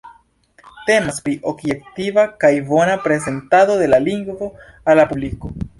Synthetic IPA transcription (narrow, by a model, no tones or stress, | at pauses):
te̞maspɾiʔo̞bje̞k̚tivakajbo̞napɾe̞ze̞ntado̞de̞laliŋɡvo̞ | alːapubliko̞